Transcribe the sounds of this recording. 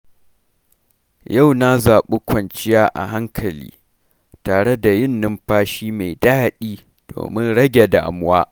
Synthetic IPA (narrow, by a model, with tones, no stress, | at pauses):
ja˦˨wna˦zaː˨ɓe˦kʷɐ˨nt͡ʃɪ˦jaː˦ʔa̰˨ɦa˦ŋkʰɐ˨lḭː˦ | taː˨ɽe˦da˨jɪ˦nːɪ˦mɸaː˦ʃiː˦ma˨jdaː˦ɗiː˦ | d̥o̰ː˨mɪ˦nɽɐ˦ɡʲe˨da̰ː˨mʊ˦waː˦ʔ